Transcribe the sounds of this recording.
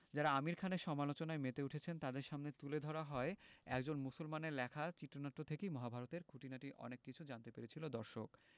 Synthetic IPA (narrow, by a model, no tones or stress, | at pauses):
d͡ʑaɾaamiɾkʰaneɾʃɔmalot͡ɕonaemet̪euʈʰet͡ɕʰent̪ad̪eɾʃamnet̪uled̪ʱɔɾaɦɔeɛ̰kd͡ʑonmusulmaneɾlɛkʰat͡ɕit̪ːɾonat̪ːot̪ʰekejmɔɦabʱaɾot̪eɾɡʰʱuʈinaʈiʔɔ̰nekːit͡ɕʰud͡ʑant̪epeɾet͡ɕʰilod̪ɔɾʃok